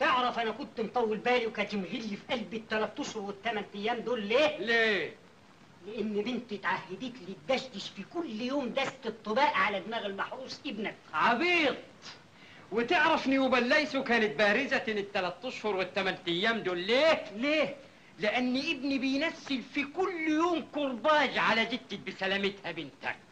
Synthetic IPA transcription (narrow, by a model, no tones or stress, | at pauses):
t̪ɪʕɾˤɑfʔænækʊnt̪nt̪ˤɑwːɪlbæːliwkæːt̪ɪmɦɪlːifiʔælbɪt̪ːælæt̪ːɑʃhʊɾwɪt̪ːæmænt̪æjːæːmd̪oːlːeːleː | lɪʔɪnːbɪnt̪ɪt̪ʕahːɪd̪iːt̪lid̪ːæʃd̪ɪʃfikʊlːjoːmd̪æst̪ɨt̪ˤːɨbaːʔʕalæbmæːɣɪlmaħɾˤuːsˤʔɪbnækʕɑbiːd̪̚ˤ | wɪt̪ɪʕɾˤɑfniwɪbalːaʔsukaːnɪt̪̚bæːɾɪzatɪnɪt̪ːalat̪ːɑʃhʊɾˤwɪt̪ːamant̪ajːaːmd̪oːlːeːleː | lɪʔanːiʔɪbnibɪjnasːɪlfikʊlːjoːmkʊɾˤbɑːd͡ʒʕalæd͡ʒɪt̪ːɪbɪsælæmɪt̪habɪnt̪a̰k̚